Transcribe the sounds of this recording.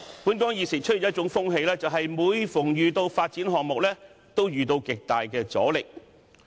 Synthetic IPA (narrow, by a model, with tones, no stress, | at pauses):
puː˨˥nkɔː˨˥ŋjiː˨˩sɪ˨˩t͡ʃʰɵ˥y˨˩jɐ˥t̚t͡ʃʊ˨˥ŋfʊ˥ŋɦe˧jlɛː˥t͡sɐ˨wɦɐ˨jmuː˨˧jfʊ˨˩ŋjyː˨˧t̪o˧wfaː˧t̚t͡si˨˥nɦɔː˨k̚mʊ˨k̚lɛː˥ | t̪o˥wjyː˨t̪o˧wkɪ˨k̚t̪aː˨jkɛː˧t͡sɔ̰ː˨˥lɪ˨k̚